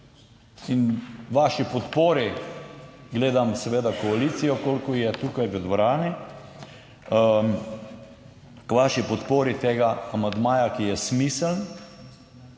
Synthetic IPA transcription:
inʋaːʃipɔt̪poːɾi | ɡleːd̪amsɛʋeːd̪akɔaliːt̪sijɔkoːlkɔjɛt̪uːkajʋəd̪ʋɔɾaːni | kʋaːʃipɔt̪poːɾit̪eːɡaːmand̪maːjakijɛsmisəln

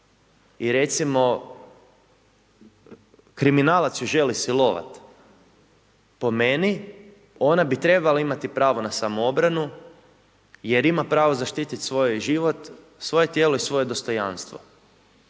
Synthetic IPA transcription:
iɾe̞t̪simo̞ | kɾiminaːlat̪sjuʒe̞lisilˠoʋa̰t̪ | po̞meni | o̞nabit̪ɾe̞balaimat̪ipɾaːʋo̞nasamoo̞bɾanu | je̞ɾimapɾaːʋozaʃt̪iːt̪it̪sʋo̞jʒiʋo̞t̪ | sʋo̞je̞t̪jeːlo̞isʋo̞je̞d̪o̞st̪o̞ja̰nst̪ʋo̰

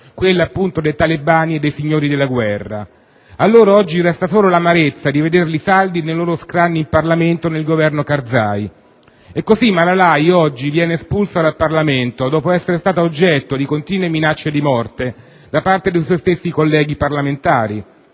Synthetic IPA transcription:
kwelːaːpːunt̪od̪ejt̪alebaːnied̪ːejsiɲːoːɾid̪elːaɡwɛrːa̰ | alːoːɾaɔd͡ʒːirɛst̪asoːlolamaɾet̪sːad̪ived̪erlisald̪inejloːɾoskɾanːiimparlament̪onelɡovɛrnokard̪za̰ːj | ɛkːozimːalalajɔd͡ʒːivjɛːnespulsad̪alparlament̪od̪ɔːpoɛsːeɾest̪aːt̪aod͡ʒːɛt̪ːod̪ikont̪iːnweminat͡ʃːed̪imɔrt̪e | d̪apart̪ed̪ejswɔjst̪esːikolːɛːɡiparlament̪aːɾi

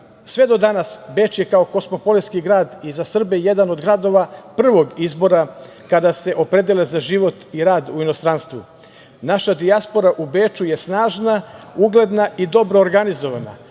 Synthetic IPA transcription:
sʋe̞d̪o̞d̪anasbe̞ːt͡ʃjekaoko̞smo̞po̞liskiɡɾaːd̪izasr̩beje̞d̪ano̞d̪ɡɾad̪o̞ʋapr̩ʋo̞ɡizbo̞ɾa | kad̪ase̞ʔo̞pɾe̞d̪elezaʒiʋo̞t̪iɾaːd̪uino̞st̪ɾanst̪vʋṵ | naʃad̪iaspo̞ɾaʔubeːt͡ʃuje̞snaːʒnauɡle̞d̪naʔid̪o̞bɾo̞ːɾɡanizo̞ʋana̰

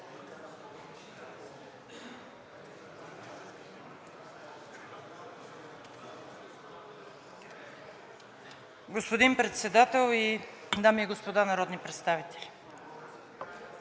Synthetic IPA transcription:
ɡospod̪inpɾɛt̪sɛd̪at̪ɛlˠi | d̪amiɛɡospod̪anɐɾɔd̪nipɾɛt̪st̪avit̪ʰɛlʲi̥

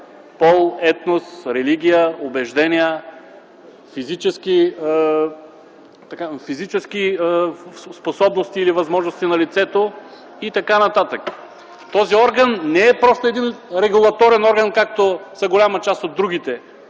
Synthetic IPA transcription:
pɔlˠɛt̪nosɾɛliɡ̟ʲijəobɛʒd̪ɛnʲiə | fizit͡ʃɛski | t̪ɐkafizit͡ʃɛsk̟i | sposɔbnost̪iːlivɐzmɔʒnost̪inɐlit̪sɛt̪o | it̪ɐkanɐt̪at̪ək | t̪ɔziɔɾɡənːɛɛpɾɔst̪oɛd̪inɾɛɡulˠɐt̪ɔɾɛnɔɾɡənkak̚t̪osɐɡolʲamət͡ʃast̪od̪ːɾuɡit̪ɛ

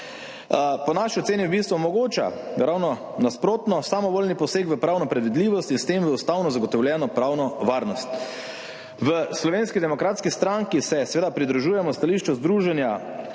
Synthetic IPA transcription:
pɔnaʃiɔt̪seːniwbist̪ʋumɔɡoːt͡ʃa̰ɾawnɔ | naspɾoːt̪nɔsamɔʋolnipɔseːkʋəpɾaːwnɔpɾɛd̪ʋid̪liːʋɔst̪inst̪emʋəust̪awnɔzaɡɔt̪ɔwlʲjɛːnɔpɾaːwnɔʋaːɾnɔst̪ | ʋəslɔʋenskid̪ɛmɔkɾaːt̪skist̪ɾaŋkisɛsɛʋeːd̪apɾid̪ɾuʒuːjɛmɔst̪aliʃt͡ʃɔzd̪ɾuːʒɛnja

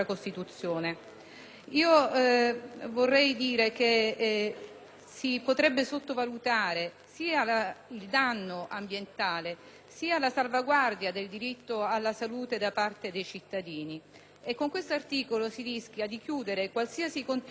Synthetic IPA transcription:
akost̪it̪ut̪sːjoːne | iːo | vorːɛjd̪iːɾeke | sipot̪ɾɛbːesot̪ːovalut̪aːɾe | siːalaild̪anːoʔambjent̪aːle | siːalasalvaɡward̪jad̪eld̪iɾit̪ːoalːasaluːt̪ed̪apart̪ed̪ejt͡ʃit̪ːad̪iːni | ekːoŋkwest̪oart̪iːkolosirisk̟jad̪ik̟juːd̪eɾekwalsiasikont̪

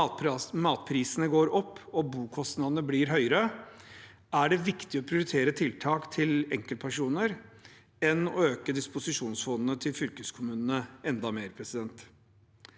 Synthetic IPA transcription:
mɑːt̪̚pʰɾiːsənəɡoːɾɔpːɔbuːkʰɔst̪nɑd̪ənəbliːɾɦœʏəɾə | æɖɛʋɪkt̪ɪɔpʰɾɪʊɾɪt̪ʰeːɾət̪ʰɪlt̪ʰɑːkt̪ʰɪlɛŋkəlt̪pʰæʂuːnəɾ | ɛnɔ̰øːkəd̪ɪspʊsɪʂuːnsfɔnd̪n̩ət̪ʰɪlfʏlkəskʰʊmʉːnənəɛnd̪ɑmeːɾpʰɾɛsɪd̪ɛnt̪

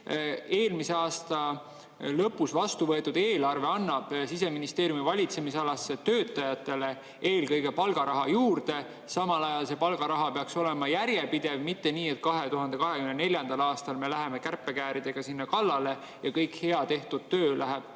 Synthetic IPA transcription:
e̞ːlmiseɑːst̪ɑ | lɤpːˑusvɑst̪uvɤet̪ːˑud̪̥eːlɑrve̞ɑnːɑb̥sis̬e̞minist̪e̞ːɾjumivɑlʲit̪se̞misɑlɑsːet̪ø̞ːt̪ːˑɑjɑt̪ːˑe̞le̞ | e̞ːlkɤjɡe̞pɑlɡɑɾɑɦɑjuːɾd̪̥e̞ | sɑmɑlɑjɑlse̞pɑlɡ̥ɑɾɑɦɑpeɑkso̞le̞mɑjæɾje̞pid̪̥e̞vmit̪ːe̞niːe̞t̪̚kɑɦe̞t̪uɦɑnd̪e̞kɑɦe̞kymnene̞lʲjɑnd̪̥ɑlɑːst̪ɑlme̞læɦe̞me̞kærpˑːe̞kæːɾid̪̥e̞ɡ̥ɑsinːɑkɑlːɑle̞ | jɑkɤjkhe̞ɑt̪e̞ht̪ud̪̥̚t̪ø̞ːlʔæɦeb̥̚

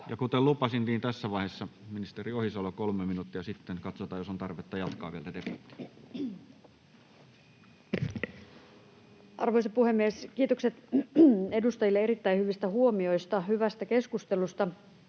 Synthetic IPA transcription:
jɑkut̪ellupɑsint̪iːnt̪æsːæʋɑˑihesːɑminist̪eriohisolokolmeminuːt̪ːijɑsit̪ːenkɑt̪sot̪ɑːjosont̪ɑrʋet̪ːɑjɑt̪kɑ̰ːʋielt̪æt̪epit̪ːˑæ̥ | ʔɑ̰rʋoisɑpuhe̞mːieskiːt̪okset̪ | e̞dust̪ɑjilːeeɾit̪ːæihyʋist̪æhuomio̞ist̪ɑhyʋæst̪æke̞skust̪e̞lust̪ɑ

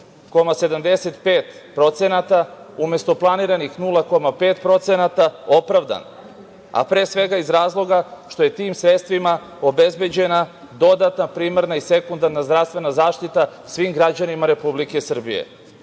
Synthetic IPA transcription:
ko̞mase̞d̪amd̪e̞se̞t̪peːt̪pɾo̞t̪senat̪a | ume̞st̪o̞plˠaniːɾanixnulˠako̞mapeːt̪pɾo̞t̪senat̪ao̞pɾavd̪a̰n | a̰pɾeːsʋe̞ɡaizɾaːzlˠo̞ɡaʃt̪o̞je̞t̪iːmsɾe̞t̪st̪ʋima | o̞be̞zbe̞d͡ʑe̞na | d̪o̞d̪at̪napɾiːmaɾnaise̞kund̪aɾnazd̪ɾast̪ʋe̞nazaːʃt̪it̪asʋiːmɡɾad͡ʑanimaɾe̞publikesr̩bḭjḛ

